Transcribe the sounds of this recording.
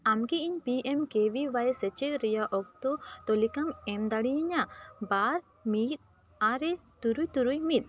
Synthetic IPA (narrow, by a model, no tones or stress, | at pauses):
amkiiɲpiʔɛmkeʋibajsɛt͡ʃɛt̪̚ɾɛjaʔɔk̚t̪ɔt̪ɔlikamɛmd̪aɽijɛɲabaɾ | miːt̪̚ | aɾɛt̪uɾujt̪uɾujmit̪̚ˀ